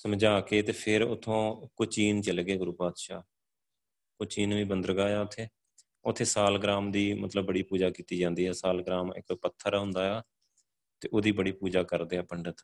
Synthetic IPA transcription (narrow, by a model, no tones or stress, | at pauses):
səmd͡ʒaːkeːt̪eːpʰɪɾʊt̪ʰõːkʊt͡ʃiːnt͡ʃəlɡeːɡʊɾuːpaːd̪ʃaː | kʊt͡ʃiːnʋĩːbənd̪əɾɡaːjaːʊt̪ʰːeː | ʊt̪ʰːeːsaːlɡɾaːmd̪iːmət̪ləbːəɽiːpuːd͡ʒaːkiːt̪iːd͡ʒãːnd̪iːɦɛːsaːlɡɾaːmɪ̰kːpət̪ʰːəɾɦʊ̃nd̪aːjaː | t̪eːʔoːd̪iːbəɽiːpuːd͡ʒaːkəɾd̪eːɛːpəɳɖət̪